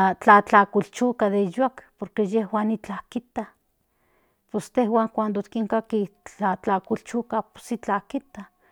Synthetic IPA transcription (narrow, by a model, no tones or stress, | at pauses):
at͡ɬat͡ɬakult͡ʃukaðejakpoɾkejehwaːnit͡ɬakit̪a | pest̪ehwaːŋkʷand̪ot̪kiŋkakit͡ɬat͡ɬakult͡ʃukapo̥sit͡ɬakit̪a